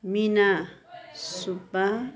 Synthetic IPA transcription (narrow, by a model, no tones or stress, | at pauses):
mɪna | sʊpa